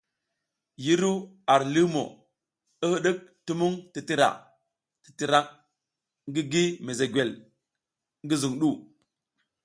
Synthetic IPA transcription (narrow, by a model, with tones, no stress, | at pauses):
ji˦ɾu˦ | a˨ɾli˦mo̰˨ | ə˦hə˦ɗə˦k̚tu˦mu˦ŋti˨ti˦ɾa̰˨ | ti̥˨ti˨ɾa˦k̚ | ŋɡi˦ɡi˦me˨ze˨ɡwe˨l | ŋ˦ɡi˦zu˨ŋɗu˦˨